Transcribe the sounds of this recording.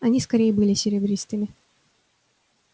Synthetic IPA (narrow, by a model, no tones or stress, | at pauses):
ɐnʲiskɐɾʲejəbɨlʲɪsʲɪɾʲɪbɾʲist̪ɨmʲɪ